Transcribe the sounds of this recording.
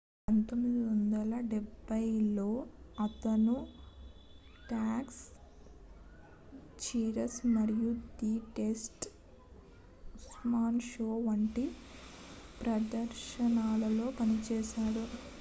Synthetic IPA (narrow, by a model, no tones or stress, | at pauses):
pɐnt̪omːid̪iʋond̪ɐlɐɖɛbʱːɐjlo̞ːɐt̪ɐnu | ʈaːks | t͡ʃiːɾɐsmɐɽijud̪iːʈesʈ | usmaːnʃoːʋɐɳʈi | pɾɐd̪ɐɾʃɐnaːlɐlo̞ːpɐnit͡ʃɛːʃaːɽu